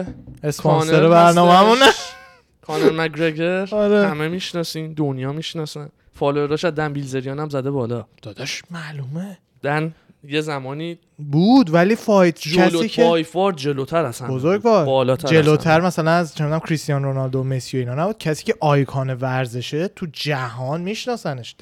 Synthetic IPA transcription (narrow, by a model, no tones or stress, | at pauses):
espʰonnseɾebæɾnɒːmeæmunæ | kʰɒːneɾmækɾeɡeɾɒɾehæmemiʃnɒːsiːmd̪onjɒːmiʃnɒsæn | fɒːleɾɒʃæd̪ænbilzeɾijɒːnæmzæd̪ebɒːlɒd̪̥ɒːd̪ɒʃmæluːme | d̪̥æn | jezæmɒːniː | buːd̪væliːfɒːjt̪cʰæsiːcʰejfɔːɾd̪d͡ʒelot̪ʰæɾæsæbozoɾɡvɒːbɒːlɒːt̪ʰæd͡ʒeloːt̪ʰæɾmæsælænæzt͡ʃʰenud̪æmkcʰɾist̪ijɒnɾonɒld̪omesjoiːnɒːnæbuːd̪̥̚cʰæsiːcʰe̞ʔɒːjkʰɒːne̞væɾze̞ʃet̪ʰud͡ʒæɦɒːnmiʃnɒːsæneʃ